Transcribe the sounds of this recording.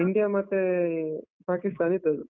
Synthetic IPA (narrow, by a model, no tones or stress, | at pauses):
iɳɖijamat̪e | pakist̪anit̪əl